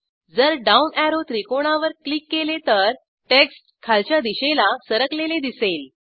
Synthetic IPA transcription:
d͡zəɾɖaunæɾot̪ɾikoɽ̃aʋəɾklikːelet̪əɾ | ʈeksʈkʰalt͡ɕjad̪iɕelasəɾəkleled̪isel

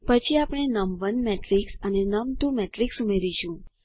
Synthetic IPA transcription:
pət͡ʃʰiapɽ̃enəmʋənmɛʈɾiksənenəmt̪umɛʈɾiksumeɾiʃũ

